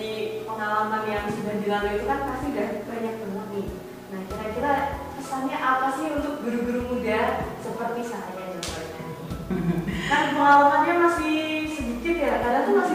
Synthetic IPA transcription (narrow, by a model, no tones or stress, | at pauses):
ipəŋalamanjaŋsəbandilaloit̪ukanpasidabaɲak̚baɲak̚nɪ | nahkiɾakiɾapisaɲaʔapasɪhunt̪ʊk̚ɡəɾuɡəɾumudasəpərt̪isaʔjad͡ʒapa | a | karnpəŋalamanɲamasɪhsəbikɪt̪jakadaŋt̪umasɪ